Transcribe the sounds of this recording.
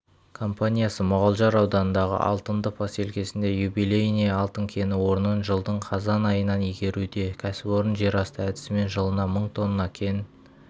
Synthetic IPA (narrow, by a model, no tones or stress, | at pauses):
kʰo̞mpanʲijasəmʊʁɑlˠʒɑɾɑwd̪ɑnənd̪ɑʁə̰ʔɑ̰lˠt̪ənd̪əpʰɑse̞lkʲe̞sɪnd̪e̞jubijlʲejnijɑlˠt̪əŋkʲʰe̞nɪwo̞ɾnənʒəlˠd̪əɴqʰɑzɑnɑjənɑnijɡʲe̞ɾud̪e̞kʲʰæsɪpo̞ɾənʒe̞ɾɑst̪əæd̪ɪ̥sɪme̞nʒəlˠənɑməɴt̪ʰo̞nːənɑkʲʰe̞n